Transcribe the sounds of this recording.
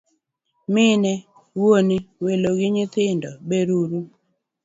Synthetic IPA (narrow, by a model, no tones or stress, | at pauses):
mɪnɛ | woniweloɡɪɲɪt̪ɪndɔbeɾuɾu